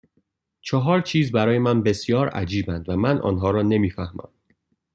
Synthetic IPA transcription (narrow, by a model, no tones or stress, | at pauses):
t͡ʃʰɒɦɒːɾt͡ʃʰiːzbæɾɒːje̞mænbe̞sjɒːɾæ̰d͡ʒiːbænd̪væmænʔɒ̰ːnɦɒːɾɒːne̞miːfæhmæ̰m